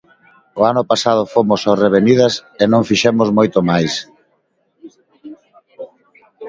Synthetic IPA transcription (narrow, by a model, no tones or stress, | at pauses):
oanʊpasað̞ofomʊsoreβ̞enið̞ɐsenõŋfiʃɛmozmojt̪omajs